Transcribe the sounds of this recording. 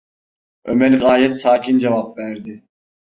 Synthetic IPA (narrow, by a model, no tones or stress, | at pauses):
ømɛlʲɣaːjɛt̪saːcʰind͡ʒɛvapvæɾd̪ɪ